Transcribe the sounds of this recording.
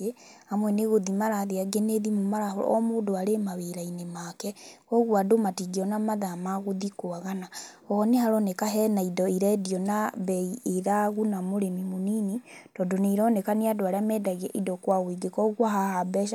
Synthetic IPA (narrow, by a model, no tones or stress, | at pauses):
eamwɛneɣoðimaɾaðeaɡeneðimomaɾaɦɔ̰ɔ̰moːdoaɾemaβeɾainemakɛɔɣwadomatiɡeɔnamaðamaɣoðikoaɣana | ɔːnehaɾɔnekaɦɛnaidɔiɾɛdiɔnaβɛieɾaɣunamoɾemimoninitɔdoneiɾɔnekaniadoaɾeamɛːdaɣɛʔidɔkwaɣwiɡekɔɣwaɦahabɛʃa